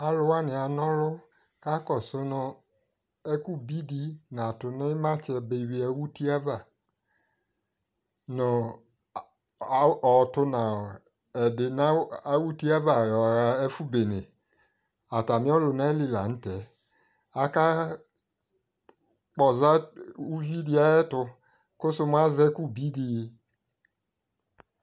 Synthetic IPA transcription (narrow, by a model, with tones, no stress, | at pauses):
a˨lʊ˨wa˦nɪ˨a˨nɔ˦lʊ˦ | ka˦kɔ˨sʊ˦nʊ˧ | ɛ˦ku˦bi˦di˦n˨a˨tʊ˨nɪ˦ma˦t͡ʃɛ˧be˨˦wi˨˦a˨˦wu˦ti˦a˦va˨ | nɔ˨ | ɔ˨tʊ˧na˨ɔ˨ | ɛ˨dɪ˨na˦a˨˦wu˦ti˦a˦va˨jɔ˨a˨ɛ˦fu˦be˨ne˨ | a˨ta˨mi˦ɔ˦lʊ˨na˦li˨la˨n̩˦tɛ˨˦ | a˦ka˦ | k͡pɔ˨za˦u˦vi˦di˦a˦ɛ˦tʊ˧ | kʊ˦sʊ˦m˦a˦zɛ˦ku˦˨bi˦di˨j